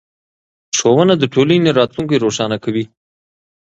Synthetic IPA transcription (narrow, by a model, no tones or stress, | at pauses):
ʂowənad̪əʈʰolineɾɑt̪luŋkeɾoʂɑnakawi